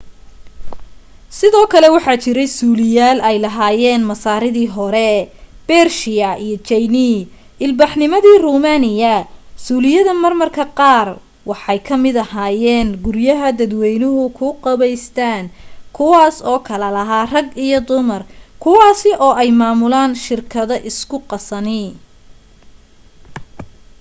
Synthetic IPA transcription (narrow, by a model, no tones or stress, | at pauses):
sɪðɔːkʰɐlɛwɑħɑːt͡ʃɪɾɛjsuːlɪjaːlɛjlɐɦaːjɛːnmɐsaːɾɪðiːɦɔɾɛb̥ɛrʃɪjɐʔijɔt͡ʃɛjni | ɪlbɑħnɪmɐðiːruːmaːnɪjɐsuːlɪjɐðɐmɐrmɐrkʰɐqɑːr | wɑħɑjkʰɐmɪd̪ɐhaːjɛːnɡʊɾjɐɦɐd̪ɐd̪wɛjnʊɦʊkʰʊqɑβɛjst̪ʰaːnkʰʊwɑːsɔːkʰɐlɐlɐɦaːrɐɡijɔd̪ʊmɐrkʰʊwɑːsɪʔɔːɛjmaːmʊlaːnʃɪrkʰɐðɐʔɪskʰʊqɑsɐnɪ